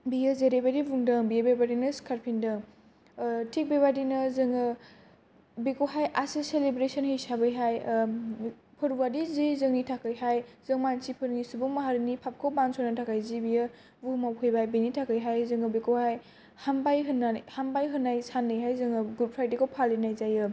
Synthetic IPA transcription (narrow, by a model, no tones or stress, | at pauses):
bijɯzeɾebaɾibuŋdɐbijebebadinɐskʰaɾpʰindɐ | tʰik̚beβadinɐzɯŋɯ | bikowɦajʔasiselebɾesənhejsabɯjɦaj | pʰɯɾuwadizizɯŋnitʰakɯjɦajzɯŋmansipʰɯɾŋisubuŋmaɦaɾinipʰap̚kʰowbansʰɔnatʰakajzibijɯ | vumawkʰɯjbajbenitʰakɯjɦajzɯŋɯbekowhaj | hambajɦɯnahambajɦɯnːajsanːɯjɦajzɯŋɯɡupʰɾajdekʰowpʰalinajzajɯ